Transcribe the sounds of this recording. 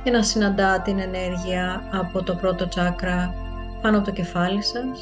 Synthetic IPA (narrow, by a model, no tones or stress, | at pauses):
cenɐsinɐnd̪ɐt̪ine̞ne̞ɾʝiɐːpo̞t̪o̞pɾo̞t̪o̞t͡sɐkɾɐ | pɐnoɐpo̞t̪oce̞fɐlisɐs